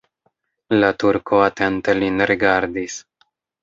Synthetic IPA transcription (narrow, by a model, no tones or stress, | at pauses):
latuɾkʰoat̪ent̪elinɾiɡaɾd̪is